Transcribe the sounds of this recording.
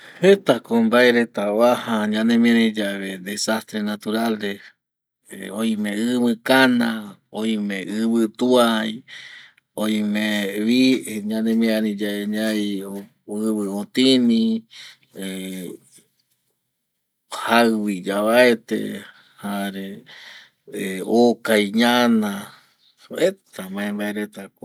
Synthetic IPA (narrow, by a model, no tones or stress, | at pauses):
het̪akombaeɾet̪awahaɲãnẽmĩaɾĩd͡ʒaβed̪esast̪ɾenat̪uɾale | ojmẽɨβɨkanãoĩmẽʔɨβɨt̪uaj | oj̃mẽβiɲãnẽmĩãɾĩd͡ʒaeɲaj | ɨβɨõt̪ĩnĩ | hawid͡ʒaβaet̪ḛ | haɾe | eokajɲãnã | et̪amãẽmbaeɾet̪ako